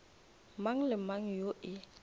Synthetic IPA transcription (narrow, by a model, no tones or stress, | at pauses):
maŋ̩lɪmaŋ̩joʔɪ